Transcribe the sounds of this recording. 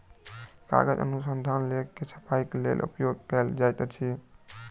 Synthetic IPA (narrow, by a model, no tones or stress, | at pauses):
ka̰ɡəd͡ʒə̰nusənd̪ʱanlekkesə̥pʰaiklḛlʔṵpjoɡ̚kɛld͡ʒajt̪t͡ʃʰi